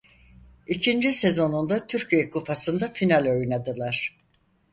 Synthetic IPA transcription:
icʰind͡ʒise̞zo̞nund̪at̪ʰyɾcʰijɛkʰupʰasɯnd̪afinalʲo̞jnad̪ɯlˠaɾ̥

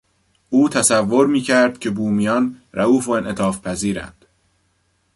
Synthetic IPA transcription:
uːt̪ʰæsævːo̞ɾmiːcʰæɾd̪̥cʰe̞buːmijɒnɾæuːfoenʔe̞t̪ʰɒːfpʰæziːɾæ̰nd̪̥

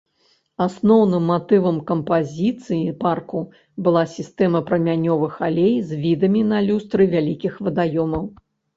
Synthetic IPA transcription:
asnɔwnɨmːat̪ɨvɐmkɐmpazʲit̪sɨjiparku | bɨlˠasʲist̪ɛmɐpɾɐmʲanʲɔvɨxalʲejzvʲid̪ɐmʲinɐlʲust̪ɾɨvʲalʲikʲixvɐd̪ajɔmɐw

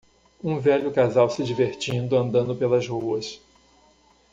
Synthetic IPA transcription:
ũvɛʎʊkazawsɪd͡ʒiveɾt͡ʃĩnd̪ʊɐ̃nd̪ɐ̃nd̪ʊpelɐzhuɐs

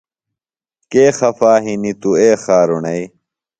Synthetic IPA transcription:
keːxɐfaːɦinit̪ueːxaːɾuɳɐi

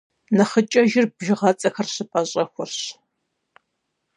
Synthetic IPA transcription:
nɐχət͡ʃʼɐʒɪrbʒɪʁɐt͡sʼɐxɐrɕɨpʼɐɕʼɐxʷɔrɕ

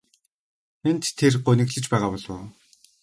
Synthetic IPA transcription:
xent̪ʰːerɢʊnɘ̆kɮɘ̆t͡ɕpæːʁaːpɔɮʊ̰ː

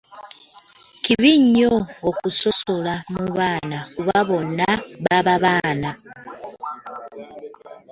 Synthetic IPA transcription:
kiβiɲːoːkuso̞so̞lamuβaːnakuβaβo̞nːaβaβaβaːna

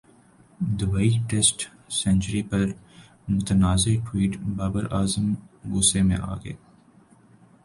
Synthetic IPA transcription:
d̪ʊbaːiʈesʈ | sɛ̃nt͡ʃəɾipɐɾ | mʊt̪ənaːzeʈwiːʈbaːbəɾʔaːzəmɡʊsemḛ̃ʔa̰ːɡɐ̰ḛː

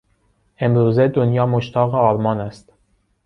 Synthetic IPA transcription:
ʔe̞mɾuːzed̪onjɒːmoʃt̪ʰɒːɣeɒːɾmɒːnæst̪

